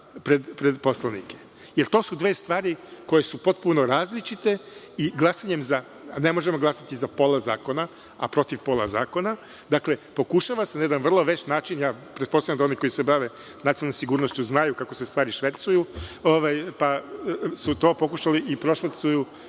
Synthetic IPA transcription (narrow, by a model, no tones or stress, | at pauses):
pɾed̪pɾed̪po̞slˠanike | jeɾt̪o̞ːsud̪ʋeːst̪ʋaːɾiko̞je̞supo̞t̪̚puno̞ɾaːzlit͡ʃit̪e̞ | iɡlˠasaɲe̞mza | ne̞mo̞ʒemo̞ɡlˠasat̪izapo̞lˠaza̰ːko̞na | a̰pɾo̞t̪iʋpo̞lˠa̰za̰ːko̞na | d̪akle̞po̞kuʃaʋasenajed̪anʋr̩lˠoʋet͡ʃnaːt͡ʃinjaːpɾet̪̚po̞st̪avjamd̪aoniko̞jisebaʋe | nat̪ilnomsiɡuːɾnoʃt͡ɕuznajukako̞sest̪ʋaːɾiʃʋe̞t̪sujuoʋajpasut̪o̞ːpo̞kuʃaliʔipɾo̞ʃʋasuju